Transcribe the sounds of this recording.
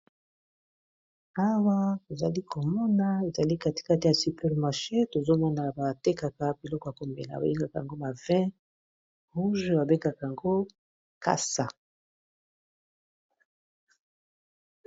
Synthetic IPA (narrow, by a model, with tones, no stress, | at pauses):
a˦wa˦to˨za̰˨li˦kʰo˨mɔ˦na˨e˨za˨li˦ka˦ti̥˨ka˦ti˨ja˨sy˨pɛ˨ʁma˨ʁʃe˦to˨zo˦mɔ˦na˨ba˨te˦ka˨ka˨bi˨lɔ˦kɔ˨ja˨ko˨mbḛ˨la̰˨ba̰˨je˦ŋɡa˨ka˨a̰˨ŋɡo˦ba˨vɛ̃˦ | ʁu˦ʒba˨be˦ŋɡa˨ka˨ja˨ŋɡo˦ | ka̰˦sa̰˨